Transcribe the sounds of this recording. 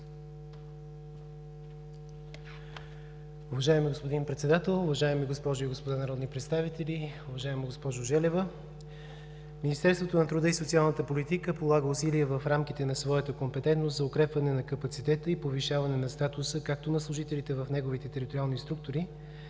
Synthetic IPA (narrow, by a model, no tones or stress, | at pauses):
ʊvɐʒaɛmiɡospod̪inpɾɛt̪sɛd̪at̪ɛlˠʊvɐʒaɛmiɡospɔʒʊiɡospod̪anɐɾɔd̪nipɾɛt̪st̪avit̪ɛliʊvɐʒaɛmɛɡospɔʒʊʒɛlɛvə | minist̪ɛɾst̪vot̪onɐt̪ɾud̪əisot̪sialˠnət̪əpolit̪ikəpolˠaɡəʊsiliɛvəfɾamk̟it̪ɛnɐsvɔɛt̪əkompɛt̪ɛnt̪nost̪zɐʊkɾɛpvɐnɛnɐkɐpɐt̪sit̪ɛt̪əipoviʃavɐnɛnɐst̪at̪ʊsəkak̚t̪onɐslˠʊʒit̪ɛlit̪ɛvəfnɛɡovit̪ɛt̪ɛɾit̪oɾialˠnist̪ɾuk̚t̪ʊɾi